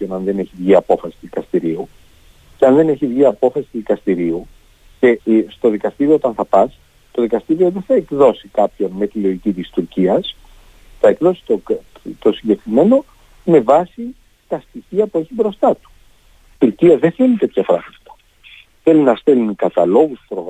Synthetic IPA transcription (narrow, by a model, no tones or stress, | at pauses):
pçonɐnðe̞ne̞çivʝiɐpo̞fɐsi̥t̪iðikɐst̪iɾiu | ceɐnðe̞ne̞çivʝiɐpo̞fɐsi̥t̪uzðikɐst̪iɾiu | ce̞st̪o̞ðikɐst̪iɾioot̪ɐnθɐpɐs | t̪o̞ðikɐst̪iɾio̞ðeθɐekðo̞sikɐpço̞nme̞t̪ilo̞icit̪ist̪uɾciɐs | θɐekðo̞si̥t̪ot̪o̞siɲɟe̞kɾime̞no̞ | me̞vɐsi | t̪ɐst̪içiɐpue̞çibɾo̞st̪ɐt̪u̥ | t̪uɾciɐðeθe̞lit̪e̞t̪çɐpɾɐɣmɐt̪ɐ̥ | θe̞linɐst̪elinikɐt̪ɐlo̞ɣust̪upɾoɣ